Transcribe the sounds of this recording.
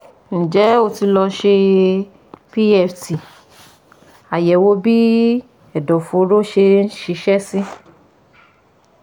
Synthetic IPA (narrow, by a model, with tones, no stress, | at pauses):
n̩˨d͡ʒɛ˨˦o˧ti˧lɔ˧ʃe˧ | pi˦ɛ˧˨fti˨ | a˨jɛ˨wo˦bi˦ | ɛ˨dɔ˨fo˨˦ɾo˦ʃe˧˦ʃi˧˦ʃɛ˦sĩ˦